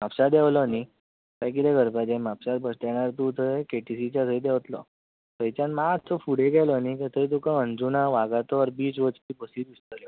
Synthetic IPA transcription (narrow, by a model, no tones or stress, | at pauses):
mapɕad̪ɛʋlɔani | kajk̬id̪ɛɡʱəɾpad͡ʑẽmapsat̪̚bəsʈ̪ɛɳaɾt̪ut̪əekeʈisit͡ɕat̪ʰəid̪ɛʋt̪lɔ̰ | t̪əjt͡ɕãnmat̪ʰɔfuɽeɡɛlɔanikɛt̪əɾit̪̬ukãənd͡zunaʋaɡat̪ɔəɾbiːt͡sʋət͡spiːbəsiːɾist̪əljɔ